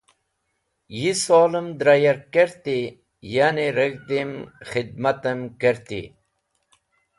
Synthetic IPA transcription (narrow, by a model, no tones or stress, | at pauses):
jisoːləmd̪ɾajaɾkəɾt̪i | janiɾəɡd̪imxid̪̚mat̪əmkəɾt̪ḭ